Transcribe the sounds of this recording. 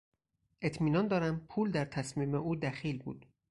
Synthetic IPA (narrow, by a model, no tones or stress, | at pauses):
ʔe̞t̪ʰmiːnɒːnd̪ɒːɾæmpʰuːld̪æɾt̪ʰæsmiːmeʔuːd̪æxiːlbṵːd̪̥